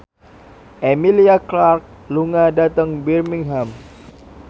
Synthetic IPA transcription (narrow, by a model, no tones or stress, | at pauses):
ʔemiliaklark̚ | luŋadat̪əŋbirmiŋɦam